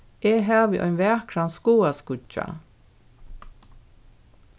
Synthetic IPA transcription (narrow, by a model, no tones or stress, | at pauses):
eːɦaːʋiʔɔ̰ʏjnʋæːkʰɾanskuːaskʊt͡ʃa̰